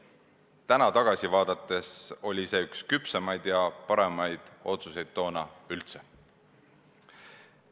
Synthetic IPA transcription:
t̪ænɑt̪ɑɡ̥ɑsʲivɑːd̪̥ɑt̪ːˑe̞so̞lʲise̞ːykskypsemɑjd̪̥jɑpɑɾe̞mɑjd̪̥o̞t̪suse̞jd̪̥̚ːo̞ːnɑylt̪se

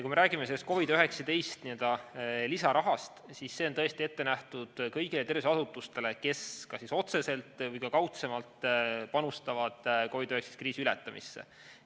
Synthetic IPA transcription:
jɑkuime̞ɾæːɡimeselːest̪ko̞vid̪øɦe̞ksɑt̪e̞jst̪niøld̪̥ɑlisɑɾʔɑɦɑst̪sisːe̞o̞nt̪ɤest̪ie̞t̪ːe̞næht̪ud̪̥kɤjɡ̥ile̞t̪e̞rviseɑsut̪ːˑust̪e̞le̞ke̞skɑsiso̞t̪se̞se̞lt̪ˑvɤjkɑkɑwt̪se̞mɑlt̪pɑnust̪ɑvɑd̪̥ko̞vid̪̥øekse̥st̪kriːsiylɛt̪ːˑɑmʔḭsːḛ

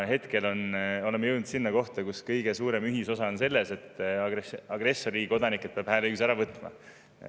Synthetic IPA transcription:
ɦe̞t̪ke̞lo̞no̞lemːejewnd̪sinːɑko̞ht̪ɑkuskɤjɡ̥e̞suːɾemyɦiso̞sɑonse̞lːe̞se̞t̪ːɑɡesɑɡ̥re̞sːo̞ɾiko̞d̪ɑnikˑːet̪̚peɑb̥hæːleyksæɾɑvɤt̪ːˑmɑ̰

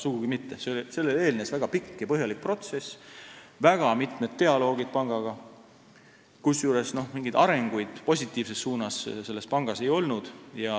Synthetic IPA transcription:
suɡ̥uɡ̥imit̪ːe̞seo̞lise̞lːele̞ːlnesvæɡ̥ɑpikːjɑpɤɦjɑlik̚pro̞t̪se̞svæɡ̥ɑmit̪ˑmet̪t̪ːe̞ɑlo̞ːɡid̪̥̚pɑŋɡ̥ɑɡ̥ɑ | kusjuːɾe̞sno̞hmiŋɡid̪ɑɾe̞ŋɡ̥ujd̪̥po̞s̬ʲit̪ːˑiːvse̞sːuːnɑsse̞lːe̞spɑŋɡ̥ɑse̞jo̞lnud̪̥jɑ

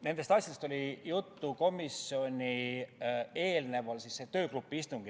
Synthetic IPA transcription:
ne̞nd̪e̞st̪ɑsjɑd̪est̪o̞lʲijut̪ːuko̞misio̞nʲi | e̞ːlne̞vɑlsisːe̞t̪ø̞ːklupːˑiist̪uŋɡ̥i

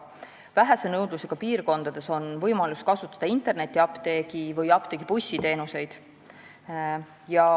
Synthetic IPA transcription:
væɦæsenɤwd̪̥luse̞ɡ̥ɑpiːrko̞nd̪̥ɑd̪̥e̞so̞nvɤjmɑluskɑsut̪ːˑɑ̥d̪̥ɑint̪ˑe̞rne̞t̪ʲˑːiɑpt̪e̞ɡ̥ivɤjɑpt̪e̞ɡ̥ipusʲːit̪e̞ːnuse̞jd̪̥ | jɑ

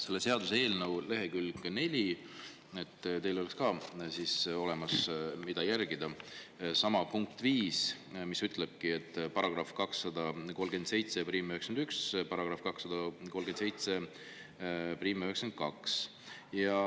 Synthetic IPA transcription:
se̞lːe̞se̞ɑd̪usee̞ːlnəwle̞ɦe̞kylɡne̞lʲi | et̪ːˑt̪e̞jlo̞lekskɑːsiso̞le̞mɑsmid̪̥ɑjærɡ̥id̪̥ɑsɑmɑpuŋk̚t̪viːs | misyt̪ˑle̞b̥̚kie̞t̪ːˑpɑɾɑɡ̥rɑfkɑksːɑd̪̥ɑko̞lɡe̞nd̪se̞jt̪sepɾiːmøheksend̪ykspɑɾɑɡ̥rɑfkɑksːɑd̪̥ɑkolɡend̪sejt̪se̞ | pɾiːmøɦeksen̚kɑks | jɑ

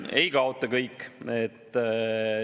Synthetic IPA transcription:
e̞̰jkɑot̪ːˑɑkɤjkːet̪ː

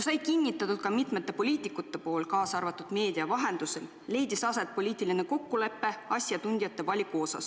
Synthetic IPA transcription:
sɑjkinʲːit̪ːˑɑt̪ːˑud̪̥̚kɑmit̪me̞t̪ːˑe̞po̞lʲiːt̪ˑikːˑut̪ːe̞po̞ːlkɑːsɑrvɑt̪ːˑud̪̥me̞ːd̪̥iɑvɑɦe̞nd̪̥use̞lːe̞jd̪isɑset̪̚po̞lʲiːt̪ːˑiline̞ko̞kːule̞pːe̞ɑsʲjɑt̪unʲd̪̥ijɑt̪ːe̞vɑlʲikuo̞sɑ̰s

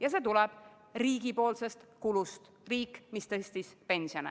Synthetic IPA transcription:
jɑse̞t̪ulɛb̥ | riːɡ̥ipo̞ːlse̞st̪kulust̪ | riːkːmist̪ɤst̪ispe̞nʲsionḛ

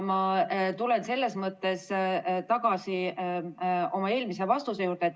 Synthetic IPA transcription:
mɑt̪ulense̞lːe̞smɤt̪ːe̞st̪ɑɡ̥ɑsi | o̞mɑe̞ːlmise̞vɑst̪usejuːrd̪et̪ː

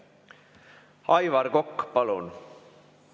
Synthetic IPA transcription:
ɑjvɑɾɡokːpɑlun

